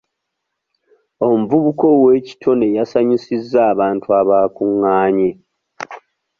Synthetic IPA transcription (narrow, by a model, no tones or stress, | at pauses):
o̞m̩vuβuko̞we̞ːci̥tʰo̞ne̞jasaɲisizːaːβaːntuaβaːkuŋːaːɲe